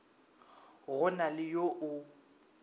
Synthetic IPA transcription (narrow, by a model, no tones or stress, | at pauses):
ɣʊnalɪjoʔʊ